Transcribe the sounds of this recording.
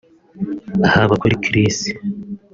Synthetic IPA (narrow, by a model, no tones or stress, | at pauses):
ahaβakoɾikʰiɾisi̥